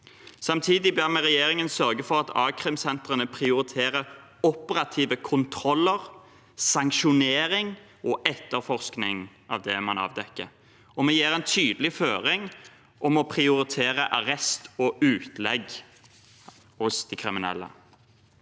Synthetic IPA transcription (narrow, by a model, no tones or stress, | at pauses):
sɑmt̪ʰiːd̪ɪbɛmɛʁɛjeːʁɪŋənsœʁɡəfɔɾɑt̪ʰɑ̰ːkʰʁɪmsɛnt̪ʁənəpʰɾɪʊɾɪt̪ʰeːɾə | ɔpəɾɑt̪ʰiːʋəkʰʊnt̪ʰɾɔlːəʁ | sɑŋkʃʊneːɾɪŋ | ɔʔɛt̪ːəʁfɔʁsknɪŋ | ʔɑ̰ʋd̪ɛmɑnɑ̰ːʋd̪ɛkːəɾ | ɔmɛjeːʁɛnt̪ʰyːd̪əlɪføːɾɪŋ | ʔɔmɔpʰʁɪʊɾɪt̪ʰeːʁəʔɑʁɛst̪ɔʉːt̪ʰlɛɡ | hʊsd̪ɛkʰɾɪmɪnɛ̰lːə̰